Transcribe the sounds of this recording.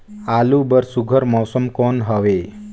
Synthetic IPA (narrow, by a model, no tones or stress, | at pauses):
alubəɾsuɡʱəɾmɔːsəmkonɦəʋe